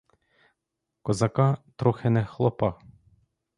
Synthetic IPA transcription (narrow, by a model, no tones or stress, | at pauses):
kozɑkɑt̪ɾoxɛnɛxlˠɔpɑ